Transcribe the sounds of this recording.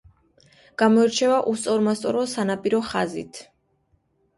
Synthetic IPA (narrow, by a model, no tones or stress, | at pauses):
ɡ̥amɔɛɾt͡ʃʰɛvaʔust̪sʼɔɾmast̪sʼɔɾɔsanapʼiɾɔχazḭt̪ʰ